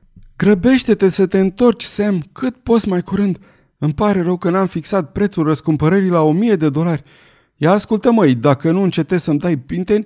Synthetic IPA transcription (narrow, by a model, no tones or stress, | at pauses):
ɡɾəbe̞ʃt̪e̞t̪e̞sət̪e̞ɨnt̪o̞rt͡ʃʲsemkʰɨt̪po̞tsmajkuɾɨnd̪ | ɨmpaɾe̞ɾəwkənamfiksat̪̚pɾe̞t̪sulrəskumpəɾəɾilao̞mije̞d̪e̞d̪o̞larʲ | jaːskult̪əməjd̪akənuɨnt͡ʃe̞t̪e̞z̥səmd̪ajpint̪e̞nʲ